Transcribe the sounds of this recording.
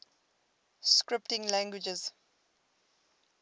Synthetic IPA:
skɹɪp̚tɪ̃ŋlæ̃ŋɡwɪd͡ʒəz

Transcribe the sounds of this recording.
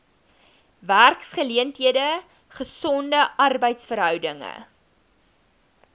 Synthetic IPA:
værksχəliəntɦiədə | χəsɔndəʔɐrbəjtsfəɾɦœwdəŋə̰

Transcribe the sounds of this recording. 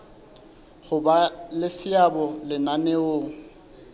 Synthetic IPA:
χʊbalɪsɪabɔlɪnanɛoːŋ̩

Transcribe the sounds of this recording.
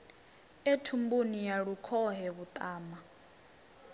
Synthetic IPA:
etʰumbunijaɺukʰɔɦɛβut̪ʼaːma

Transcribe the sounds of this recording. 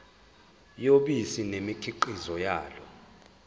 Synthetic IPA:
joɓisinemikʰiǃizɔjaːlɔ

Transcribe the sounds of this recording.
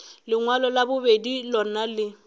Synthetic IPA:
lɪŋwalɔlabʊbedilɔnalɪ

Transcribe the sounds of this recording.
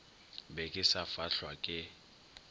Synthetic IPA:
bɛkʼɪsafaɬwakʼɪ

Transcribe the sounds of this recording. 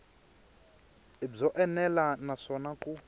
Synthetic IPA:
ib͡ʐɔʔɛnɛlanaʂɔnakʼu

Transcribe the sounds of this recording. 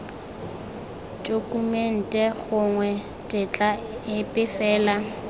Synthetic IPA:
dʼokʼumen̩tʼɛɣʊŋwɛ | tʼɪt͡ɬʼa | ɪpʼɪfɛːla

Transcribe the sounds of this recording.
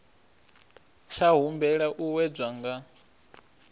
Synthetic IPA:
ʃaɦumbɛɺaʔuwɛd͡zwaŋɡa

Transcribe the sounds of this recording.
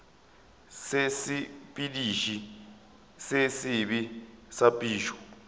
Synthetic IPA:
sesipʼidiʃi | sesiɓisapʼiːʃɔ̥

